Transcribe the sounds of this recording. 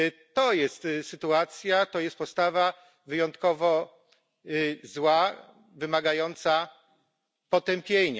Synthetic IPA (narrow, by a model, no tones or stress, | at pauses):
t̪ɔjɛst̪sɘt̪uat̪sʲjat̪ɔjɛst̪̚pɔst̪ava | vɘjɔnt̪kɔvɔ | zwa | vɘmaɡajɔnt̪sa | pɔt̪ɛmpʲjeɲa